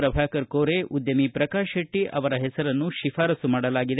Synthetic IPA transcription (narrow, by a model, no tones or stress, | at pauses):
ɾɐbʱaːkɐɾkoːɾeʔud̪jɐmipɾɐkaːʃɐʈːiʔɐ̰ʋɐɾɐɦɛsɐɾɐnːuʃifʰaːɾɐsumaːɽɐlaːɡid̪e